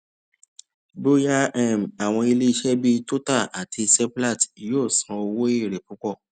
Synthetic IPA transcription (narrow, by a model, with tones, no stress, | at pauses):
bo˦a˦ɛ˦˨m̩˨a˨w̃ɔ̃˧i˧le˦i˧ʃɛ˦bi˦to˦ta˦˨ʔa˨tʰi˧sɛ˦pla˦˨tjoː˦˨sã˧o˧wo˦i˦˨ɾe˨ku˨˦kɔ˦˨